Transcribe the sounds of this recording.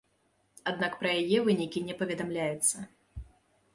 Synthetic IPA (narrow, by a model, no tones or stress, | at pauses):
ad̪nakpɾɐjajɛvɨnʲikʲinʲɛpɐvʲɛd̪amlʲajɛt̪sːɐ